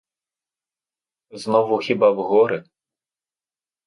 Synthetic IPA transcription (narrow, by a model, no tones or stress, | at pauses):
znɔʋʊxʲibawɦɔɾɪ